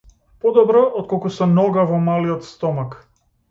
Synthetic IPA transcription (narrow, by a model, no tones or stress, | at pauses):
pɔd̪ɔbɾɔʔɔt̪̚kɔlˠkusɔnɔɡavɔmaliɔt̪st̪ɔmak